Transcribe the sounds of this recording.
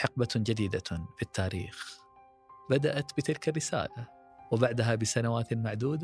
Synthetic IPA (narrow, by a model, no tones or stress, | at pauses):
ħɪq̚bad͡ʒad̪iːd̪afit̪ːaːɾḭːx | bad̪aʔat̪bɪt̪ɪlkarːɪsa̰ːla | wɪbaʕd̪aɦabɪsanawaːt̪maʕd̪uːd̪